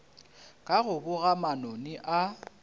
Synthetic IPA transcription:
kʼaɣʊbʊɣamanɔnɪʔa

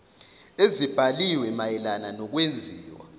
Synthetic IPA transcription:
ezib̥ʱaliwɛmajɛlananɔk̬wend͡zʱiːwa̰

